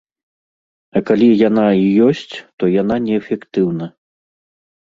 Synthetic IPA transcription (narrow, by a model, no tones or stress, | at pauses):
ɐkalʲijanaijɔsʲt͡sʲt̪ɔjan̪anʲɛːfʲɛkt̪ɨwnɐ